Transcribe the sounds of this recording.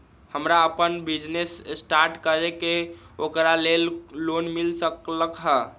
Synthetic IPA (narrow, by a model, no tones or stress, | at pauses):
həmɾaəpənbid͡ʒnessʈaɾʈkəɾeke | okɾalelːonmilsəkləkɦə